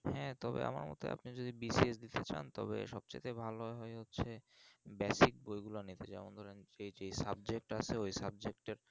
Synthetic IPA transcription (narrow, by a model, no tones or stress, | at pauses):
hɛt̪ɔbḛʔa̰ma̰ɾmɔ̰t̪o̰ʔa̰pnid͡ʑod̪ibisiesd̪it̪et͡ɕa̰nt̪ɔ̰bḛʃɔb̚t͡ɕḛt̪ebʱaloeɦɔeɦotːɕʰebɛsik̚bojɡulanit̪ed͡ʑɛ̰mond̪ʱɔɾenejd͡ʑejsab̚d͡ʑek̚ʈat͡ɕʰeojsab̚d͡ʑekʈeɾ